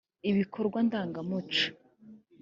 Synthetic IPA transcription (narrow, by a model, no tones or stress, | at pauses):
iβikʰo̞ɾɡwandaːŋɡamut͡ʃḁ